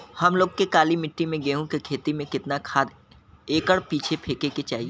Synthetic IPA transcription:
hɐmloːɡ̚kekaːlimɪʈːimẽɡeːɦũkekʰeːt̪imẽkɪt̪nakʰaːd̪ | eːkəɽpiːt͡ʃʰepʰeːkeket͡ʃaːɦieː

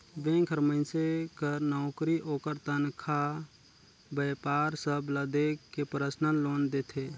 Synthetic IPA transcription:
ʋẽɡʱəɾməɪ̃sekəɾnɔʊkɾiʔoːkəɾt̪ənkʰa | bəpaːɾsəbləd̪ekːepɾəsnəloːnd̪eːt̪ʰeː

